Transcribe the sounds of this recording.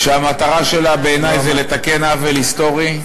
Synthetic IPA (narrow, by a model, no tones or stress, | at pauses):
ʃeamat̪aʁaʃe̞labe̞enajzele̞t̪ake̞navelist̪o̞ʁi